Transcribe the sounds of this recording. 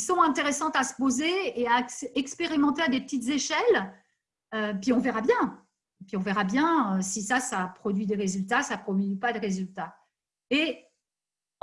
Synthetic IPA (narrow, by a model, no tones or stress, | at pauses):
sɔ̃ɛ̃t̪eʁesɑ̃t̪asə̥pozeːaksɛkspeʁimɑ̃t̪ead̪epət̪it̪zeʃɛl | øepɥiɔ̃vɛʁabjɛ̃ | epɥiɔ̃vɛʁabjɛ̃øsisasapχɔd̪ɥid̪eʁezylt̪asapχɔmipad̪eʁezylt̪a | e